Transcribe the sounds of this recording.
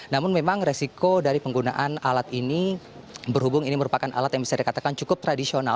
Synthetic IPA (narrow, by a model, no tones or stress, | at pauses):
namʊnmemaŋresikodaɾipəŋɡuna̰ʔanalat̪ini | bərɦubʊŋiniməɾupakanʔa̰lat̪jaŋbisadikat̪akant͡ʃukʊp̚t̪ɾadisiona